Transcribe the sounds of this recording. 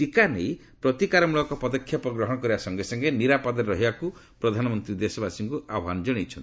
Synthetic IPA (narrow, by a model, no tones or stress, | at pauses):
ʈikanḛj | pɾɔt̪ikaɾɔmuɭɔkɔpɔd̪ɔkʰːjɔpɔɡɾɔɦɔɽ̃ɔkɔɾibasɔŋɡesɔŋɡeniɾapɔd̪ɔɾɾɔɦibakupɾɔd̪ʱanɔmɔnt̪ɾid̪esɔbasiŋkuʔabʱand͡ʒɔɽ̃it͡ʃʰɔnt̪i